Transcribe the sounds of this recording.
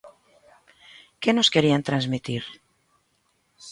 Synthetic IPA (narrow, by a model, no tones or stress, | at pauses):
kenoskeɾiant̪ɾanzmit̪iɾ